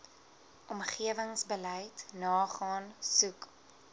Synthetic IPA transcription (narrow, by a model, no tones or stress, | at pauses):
ʔɔmχiəvəŋsbəlɛjtnɑːχɑːnsuk